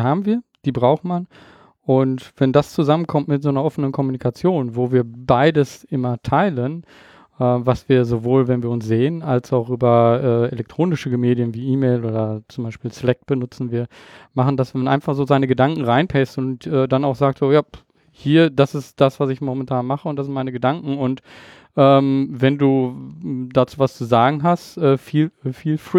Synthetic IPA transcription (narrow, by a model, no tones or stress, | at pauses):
haːbm̩viːɐd̥iːbʁaʊxman | ʔʊntv̥ɛndast͡suzamənkʰɔmtmɪtz̥oːnɐʔɔfənənkʰɔmunikʰat͡sjoːnvoːviːɐbaɪdəsʔɪmɐtʰaɪlən | ʔɛːvasv̥iːɐzovoːlvɛnviːɐʊnsz̥eːənalsaʊxʔyːbɐʔɛːelɛk̚tʁ̥oːnɪʃəɡəmeːdjənviːʔiːmeɪloːdɐt͡sʊmbaɪʃpiːlslɛk̚b̥ənʊt͡sn̩viːɐmaχn̩dasvɛamnʔa̰ɪnfaχz̥oːzaɪnəɡədaŋkŋ̩ʁaɪnpʰɛstʊntʔɛːdanaʊxz̥aːk̚tz̥oːjaː | hiːɐd̥asɪstd̥asv̥asɪçmɔmɛntʰaːnmaχəʊnt̚d̥aszɪntmaɪnəɡədaŋkŋ̩ʊnt | ʔɛːmvɛnduː | dat͡suːvast͡suzaːɡŋ̩ɦastʔɛːfiːlfiːlfʁ